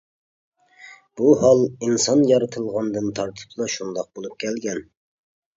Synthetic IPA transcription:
b̥uɦɑlˠinsɑnjɑɾɨt̪ʰɨlˠʁɑnd̪ɨnt̪ʰɑɾt̪ʰɨ̥pʰlˠɑʃund̪ɑq̚bolˠup̚kʲʰɛlɡʲɛn

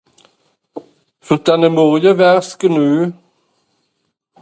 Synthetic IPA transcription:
fœʁd̪̥ɛnəmɔʁjəvæʁskənʉː

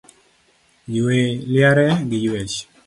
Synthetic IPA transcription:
jweljaɾɛɡɪjwet͡ʃ

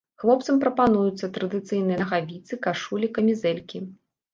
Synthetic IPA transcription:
xvˠɔp̚t̪sɐmpɾɐpanujut̪sːɐt̪ɾɐd̪ɨt̪sɨjnɨjɐɐɣavʲit̪sɨkaʂulʲikɐmʲizɛlʲkʲi

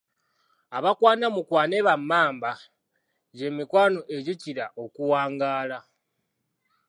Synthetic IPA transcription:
aβakwaːnamukwaːne̞βamːaːmba | ɟe̞mikwaːno̞ʔe̞ɟiciɾaʔo̞kuwaːŋɡaːla

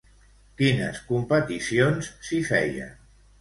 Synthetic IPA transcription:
kinəskumpət̪isionsːifɛ̰jə̰

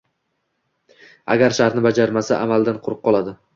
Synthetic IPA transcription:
a̰ɡʲaɾʃaɾnɪbad͡ʒaɾmasaʔamalˠd̪anqʰʊɾɨq̚qːɒlˠad̪ɪ

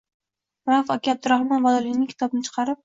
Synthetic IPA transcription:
ɾafɒkʲab̚d̪ʊɾahmanvɒd̪alɪnɪŋkʲʰt̪ʰɒbnɪt͡ʃʰɨ̥qʰɑɾɪp̚

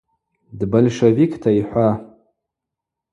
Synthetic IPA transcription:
dbolʂevikʰʼtʰaiħʷa

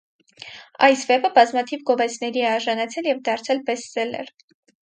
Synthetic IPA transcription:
ɑ̰jsvɛpəbɑzmɑt̪ʰivɡɔvɛt͡sʰnɛɾiɛɑɾʒɑnɑt͡sʰɛljɛvd̪ɑɾt͡sʰɛlbɛsːɛlɛ̰ɾ

